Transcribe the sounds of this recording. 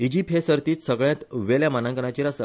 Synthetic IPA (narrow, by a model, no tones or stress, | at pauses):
id͡ʑipɦesəɾt̪iːt̪səɡɭjãt̪ʋeljamanãŋkəɳ̃at͡ɕiɾasə